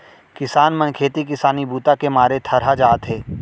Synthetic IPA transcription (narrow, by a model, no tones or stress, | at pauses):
kɪsaːnmənkʰeːt̪ik̬ɪsaːnibuːt̪akemaːɾet̪ʰɐɾɦad͡ʒaːt̪ɦeː